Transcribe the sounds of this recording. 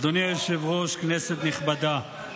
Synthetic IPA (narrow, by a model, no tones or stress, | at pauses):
d̪oniaeʃevʁoʃkneset̪niχbad̪a